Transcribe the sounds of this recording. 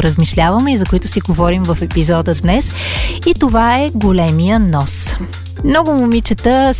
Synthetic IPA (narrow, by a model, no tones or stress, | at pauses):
ɾəzmiʃlʲavəmɛizɐkoit̪ʊ̥siɡovɔɾimvɐfɛpizɔd̪əd̪nɛsit̪ovaɛɡolɛmijənɔs | mnɔɡʊmʊmit͡ʃət̪əs